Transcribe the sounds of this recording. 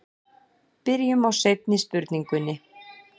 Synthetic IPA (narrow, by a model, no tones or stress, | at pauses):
pɪɾjʏmawsejp̚nɪspʏɾt̪niŋkʏnːɪ